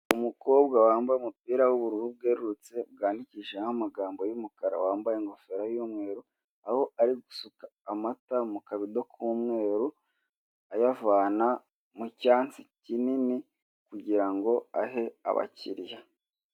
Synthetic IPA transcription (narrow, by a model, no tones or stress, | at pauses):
umuko̞ːbɡawaːmbajumupiːɾawuβuɾuβub̚ɡeːɾuɾut͡se̞bɡaːndiciʒenhamaɡaːmbo̞jumukaɾa̰waːmbajeŋɡo̞fe̞ɾajuːmŋe̞ːɾu | aho̞aɾiɡusukaːmatamukaβidokʰuːmŋe̞ːɾu | ajavaːna | mucaːnt͡si̥cinini | kuɟiɾaŋɡo̞a̰ɦe̞a̰βa̰cḭɾja